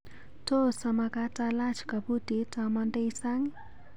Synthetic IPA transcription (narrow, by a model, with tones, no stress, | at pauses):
to˦sama˧katala˦t͡ʃka˨bu˦di˨tamɔnde˦isa˦ŋ